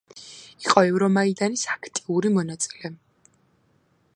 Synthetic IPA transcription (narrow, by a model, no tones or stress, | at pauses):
iqʼɔɛvɾɔmaid̪anisakʰt̪ʼiuɾimɔnat̪sʼi̥lɛ